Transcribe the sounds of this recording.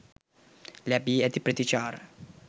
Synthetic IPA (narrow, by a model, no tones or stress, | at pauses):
leabiɛd̪ipɾet̪it͡ʃaːɾ